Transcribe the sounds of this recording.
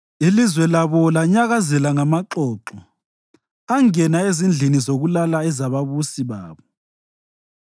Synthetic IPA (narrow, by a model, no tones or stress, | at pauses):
ilizwɛlaβɔlaɲaɣazɛlaŋamaǃɔːǁɔ | aŋɛnaezind͡ɮʱinizoɣulalaɛzaβaβusiβa̰ːβɔ